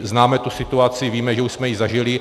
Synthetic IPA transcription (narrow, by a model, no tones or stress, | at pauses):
znaːmɛt̪usɪt̪uat͡sɪviːmɛʒɛuʃsmɛjɪzaʒɪlɪ